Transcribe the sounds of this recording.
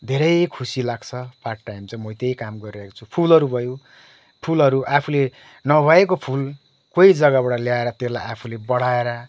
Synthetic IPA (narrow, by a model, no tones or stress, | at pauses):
d̪ʱeɾʌjkʰusilaɡt͡sʰʌpʰaʈʈːajmt͡sʌmʌt̪ejkamɡʌɾiɾʌɦeko̥t͡sʰupʰulʌɾubʱʌjõ | pʰulʌɾuʔapʰule | nʌbʱʌekopʰul | koid͡zʌɡabaɽʌljaeɾʌt̪elajapʰulebʌɽ̤aeɾʌ